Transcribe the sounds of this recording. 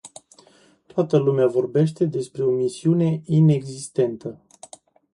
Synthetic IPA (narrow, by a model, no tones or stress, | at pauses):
t̪oat̪əlumeavo̞rbe̞ʃt̪e̞d̪e̞spɾe̞o̞misiune̞ine̞ɡzist̪e̞nt̪ə